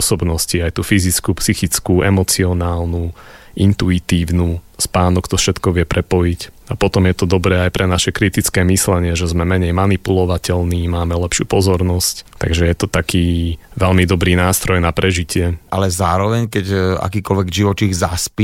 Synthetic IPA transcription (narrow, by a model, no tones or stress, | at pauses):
ɔsɔbnɔsciajt̪uːfizit͡skupsixit͡skuɛmɔt͡siɔnaːlnu | ʔint̪uit̪iːʊnuːspaːnɔkt̪ɔfʃɛt̪kɔʋɪɛpɾʔɛpɔjic | apɔt̪ɔmjɛt̪ɔd̪ɔbɾɛːajpɾʔɛnaʃɛkɾit̪it͡skɛːmislɛɲɪɛʒɛzmɛmɛɲɛjmanipulɔʋacɛlniːmaːmɛlɛpʃɪṵːpɔzɔɾnɔsct̪a̰ɡʒɛjɛt̪ɔt̪akiːʋɛlmid̪ɔbɾiːnaːst̪ɾɔjnapɾɛʒicɪɛʔalɛzaːɾɔʋɛɲkɛca̰kiːkɔlʋɛɡʒiʋɔt͡ʃiɣzaspi